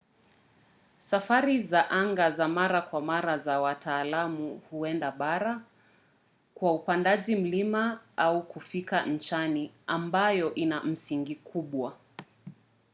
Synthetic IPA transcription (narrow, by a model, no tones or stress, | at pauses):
safaɾizaʔaŋɡazamaɾakwamaɾazawatʰaːlamuhuɛndaɓaɾa | kwaupandaʄim̩limaaukufikan̩t͡ʃaniambajɔʔinam̩siŋɡikʰuɓwa